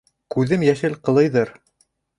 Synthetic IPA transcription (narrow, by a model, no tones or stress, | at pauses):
kʉðɘmjæʃɘlqɤ̆lˠɤ̆jðɤɾ